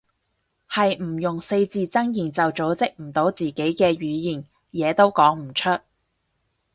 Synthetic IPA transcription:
hɐ˨jm̩˨˩jʊ˨ŋse˧jt͡siː˨˧t͡sɐ˥ŋjiː˨˩nt͡sɐ˨wt͡so˨˥wt͡sɪ˥k̚m̩˨˩t̪o˨˥wt͡siː˨ke˨˥jkɛː˧ɥyː˨˧jiː˨˩n | jɛː˨˧t̪o˥wkɔː˨˥ŋm̩˨˩t͡ʃʰɵ˥t̚

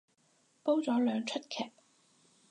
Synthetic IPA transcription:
po˥wt͡sɔː˨˥lœː˨˧ŋt͡ʃʰɵ˥t̪̚kʰɛː˨p̚

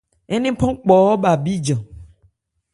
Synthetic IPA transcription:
ɛ˦nẽ˦pɔ̃˦k͡pɔ˨wɔ˦ba˨bi˦d͡ʒɔ̃˨

